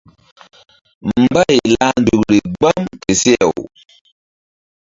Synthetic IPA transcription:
m̩˦ba˦˨jla˦ndu˨kɾi˨ɡ͡ba˦mke˨se˦a˨w

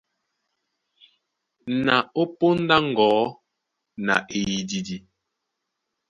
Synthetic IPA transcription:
na˨o˦po˦n̩˦da˦ŋ̩˨ɡɔː˨˦ | na̰˨ʔe˨ji˨di˨di˨

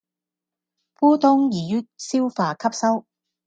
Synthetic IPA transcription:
puː˥t̪ʊ˥ŋjiː˨˩jyː˥t̚siː˥wfaː˨˧kʰɐ˥p̚sɐ˥w

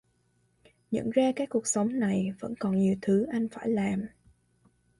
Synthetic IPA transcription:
ɲə̰˧˥nzaː˧kaː˨˦˥k̚ku˨˩ək̚sa˨˦wŋ͡mna˨˩jvə̰˧˥nkɔ˨˩nɲi˨˩əwt̪ʰɨ˨˦ʔa˧jŋ̟faː˧˩jlaː˨˩m

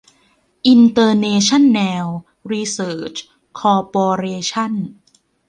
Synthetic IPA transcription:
ʔi˧nt̪ɤː˧neː˧t͡ɕʰa˥˩nːɛː˧w | ɾiː˧sɤː˨˩t͡ɕ | kʰɔː˧pɔː˧ɾeː˧t͡ɕʰa˥˩n

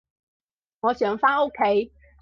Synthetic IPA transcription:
ŋɔ˨˧˦ɕjɛ˨˩˦ŋfa˥o˥ʊkʰe˥ɪ

